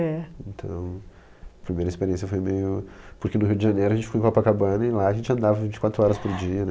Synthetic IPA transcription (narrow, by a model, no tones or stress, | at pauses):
ɛẽnt̪ʰɐ̰̃w̃ | ɐpɾimejɾɐispeɾiẽsjɐfojmejʊpʊɾkenʊɦiwd͡ʒɪʒɐ̃nejɾʊɐʒẽnt͡ʃɪ̥fojpapɐkabɐ̃nɐɪlaɐʒẽnt͡ʃɪɐ̃nd̪avɐvĩnt͡ʃɪ̥kwat̪ɾʊɔɾɐspoɾd͡ʒiɐnɛ